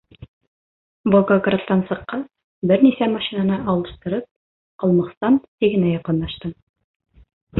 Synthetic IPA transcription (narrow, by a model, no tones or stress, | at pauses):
boɡoɡrat̪ːɑnsɤ̆qːɑ | bɘɾnisæmɑʃinɑnɤʔɑlˠɤ̆ʃt̪ɤ̆ɾɤp̚ | qɑ̆lˠmɑqst̪ɑnt̪iɡɘ̆næjɑqɤ̆nlːɑʃt̪ɤ